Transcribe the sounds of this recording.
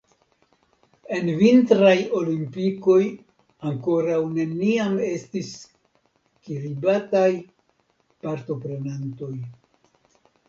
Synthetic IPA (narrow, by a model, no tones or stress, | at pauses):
e̞nvintɾajo̞limpiko̞j | aŋko̞ɾawne̞niame̞stis | kiɾibataj | paɾto̞pɾe̞nanto̞j